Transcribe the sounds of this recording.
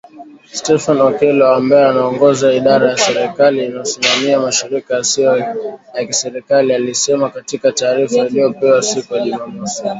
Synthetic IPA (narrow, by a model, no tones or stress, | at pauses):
stɛfanɔkɛlɔambaɛanaɔŋɡɔzaiɗaɾajasɛɾɛkaliːnajɔsimamiamaʃiɾikajasiɔjakisɛɾikalialisɛmakatikataːɾifailijɔpɛwasikujaʄumamɔsi̥